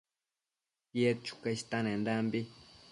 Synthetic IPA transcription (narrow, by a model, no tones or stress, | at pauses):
jet̪̚t͡ʃu̥kaʃi̥t̪anẽnd̪ambi